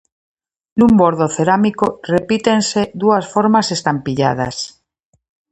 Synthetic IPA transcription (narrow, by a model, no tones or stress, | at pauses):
numbo̞ɾð̞oθeɾamikorepit̪e̞nse̞ðuasfo̞ɾmase̞st̪ampiʎa̰ð̞a̰s